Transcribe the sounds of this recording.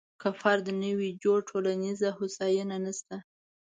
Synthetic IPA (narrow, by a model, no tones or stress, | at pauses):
kafaɾd̪ənəwid͡ʒoɽʈʰolanizahʊsɑjənanəst̪a